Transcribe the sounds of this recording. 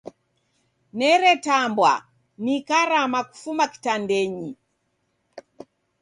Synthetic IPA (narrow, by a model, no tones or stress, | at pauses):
nɛɾɛtambwa̰ | nikaɾamaku̥fumaki̥tandɛɲi